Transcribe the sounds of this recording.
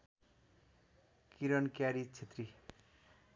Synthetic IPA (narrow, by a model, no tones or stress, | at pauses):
kiɾʌnkjaɾit͡sʰet̪ri